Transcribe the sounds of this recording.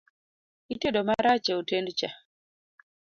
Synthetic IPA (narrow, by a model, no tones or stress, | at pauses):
iteɗɔmaɾat͡ʃeutendt͡ʃa